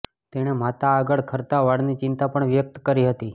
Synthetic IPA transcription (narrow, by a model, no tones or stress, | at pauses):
t̪eɽ̃emat̪aːɡəɭkʰəɾt̪aʋaɽnit͡ʃɪnt̪apəɳʋjək̚t̪kəɾiɦət̪i